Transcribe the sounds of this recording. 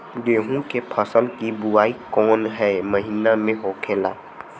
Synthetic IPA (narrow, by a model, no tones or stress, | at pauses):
d̪eːɦũkepʰəsəlkibʊaːikɔːnɦɛːməɦiːnamẽɦoːkʰeːla̰ː